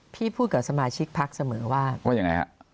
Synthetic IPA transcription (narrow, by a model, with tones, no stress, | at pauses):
pʰiː˥˩pʰuː˥˩t̪̚kaː˨˩p̚sa˧maː˧t͡ɕʰi˦˥k̚pʰa˦˥k̚sa˧mɤː˩˦waː˥˩waː˥˩ja˨˩ŋa̰˧jkʰa̰˦˥ʔ